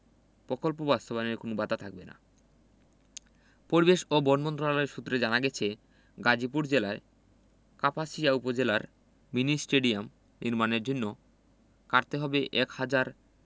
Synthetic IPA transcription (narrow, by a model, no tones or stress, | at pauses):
pɾokolpobast̪obaneɾkonobat̪at̪ʰak̚bena̰ | poɾibeʃobɔnmɔnt̪̬ɾonalɔeɾʃut̪ːɾed͡ʑanaɡɛt͡ɕʰe | ɡad͡ʑipuɾd͡ʑelae | kapʰasijaupod͡ʑelaɾ | minisʈeɖiam | niɾmaneɾd͡ʑonːo | kaɾt̪eɦɔbeʔɛkhad͡ʑaɾ